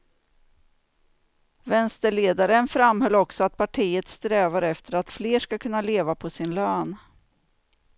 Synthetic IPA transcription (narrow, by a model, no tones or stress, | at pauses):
vɛnst̪əɭeːd̪aɾənfɾamhœlːɔksɔat̪̚pʰaʈʰiːət̪st̪ɾɛːvaɾɛft̪əɾat̪fleːʂkakʰɵnːaleːvapʰɔsɪnløːn